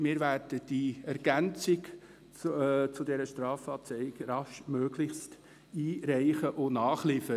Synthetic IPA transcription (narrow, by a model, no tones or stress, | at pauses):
mɪːɾværd̥əd̥iɛrɡ̥ænt͡sɪkː | t͡sʊdɛɾəʃtrɑːfɑːt͡sɛɪɡrɑʃmøːɡlɪçst | iːɾɛɪχəʔʊnɑːχlɪfə